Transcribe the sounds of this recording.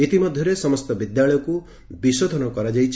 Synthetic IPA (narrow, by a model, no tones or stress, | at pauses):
it̪imɔd̪ʱjɔɾesɔmɔst̪ɔbid̪jaɭɔjɔku | bisod̪ʱɔnɔkɔɾad͡ʒajt͡ʃʰ